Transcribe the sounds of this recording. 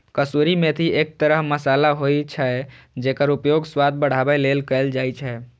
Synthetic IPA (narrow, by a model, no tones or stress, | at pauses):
kəsuɾimet̪ʰiek̚t̪əɾəɦməsalaɦojt͡ʃʰə | d͡ʒekəɾupjoɡswad̪̚bəɽ̤abɛlelkəɪld͡ʒajt͡ʃʰɛ